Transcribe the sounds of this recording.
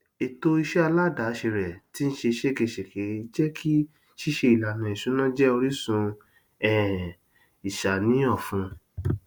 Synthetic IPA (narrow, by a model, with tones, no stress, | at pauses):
e˨to˧i˧ʃɛ˦a˧la˦˨da˨˦ʃe˧ɾɛ˨ti˨˦n̩˦ʃe˧ʃe˦˨ke˧˨ʃe˨ke˨˦i˧d͡ʒɛ˦kʰi˦ | ʃi˦ʃe˧i˨la˨nã˨ĩ˨ʃu˨˦nã˦d͡ʒɛ˦o˧ɾi˦sũ˧ | ɛ˨ | i˨ʃa˨nĩ˨˦ɔ˦˨fũ˧˦